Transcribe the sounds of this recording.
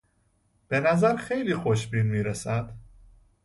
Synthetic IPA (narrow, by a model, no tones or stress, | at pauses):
b̥e̞næzæɾxe̞jliːxoʃbiːnmiːɾesæd̪̥